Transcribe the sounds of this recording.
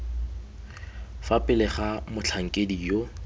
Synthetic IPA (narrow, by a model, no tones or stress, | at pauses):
fapʼɪlɪχamʊt͡ɬʰaŋ̩kʼedijo